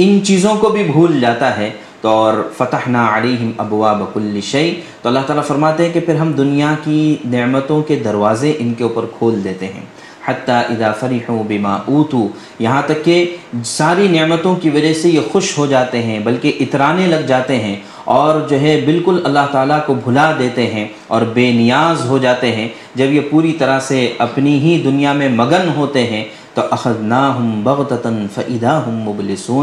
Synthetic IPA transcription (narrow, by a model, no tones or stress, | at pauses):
ɪnt͡ʃiːzõkobʱibʱuːld͡ʒaːt̪aɦɛː | t̪ɔːɾfɐt̪ɐħnaːʕaleːɦɪmɐbwaːbɐkʊlːɪʃɐɪt̪oɐlːaɦt̪aːlafɐɾmaːt̪eɦɛ̃kepʰɪɾɦɐmd̪ʊnijakinɪʕmət̪õked̪ɐɾʋaːzeʔɪnkeuːpəɾkʰoːld̪eːt̪eɦɛ̰̃ː | ħɐt̪ːaːʔɪðaːfɐɾɪħuːbɪma̰ːʔuːt̪uː | jɐɦãt̪ɐkːesaːɾinɪʕmət̪õkiʋɐd͡ʒɐɦsejexʊʃɦod͡ʒaːt̪eɦɛ̃bɐlkeʔɪt̪ɾaːnẽlɐɡd͡ʒaːt̪eɦɛ̃ | ɔːɾd͡ʒoːɦɛbɪlkʊlɐlːaɦt̪aːlakobʱʊlad̪eːt̪eɦɛ̃ | ɔːɾbeːnɪjaːzɦod͡ʒaːt̪eɦɛ̃ | d͡ʒɐbjepuːɾit̪ɐɾaseɐpniɦid̪ʊnijamẽmɐɡənɦoːt̪eɦɛ̃ | t̪oʔɐxɐðnaːɦʊmbɐɣt̪ɐt̪nfɐʔɪðaːɦʊmːʊblɪsuːn